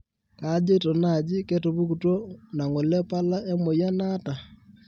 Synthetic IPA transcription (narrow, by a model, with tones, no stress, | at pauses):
ka˦d͡ʒe˦tɔ˨na˨d͡ʒi˦ke˦tu˨βu˦ku˨twɔ˦na˨ŋo˨lɛ˦pa˦la˦e˦mo˨ja˦na˦ta˨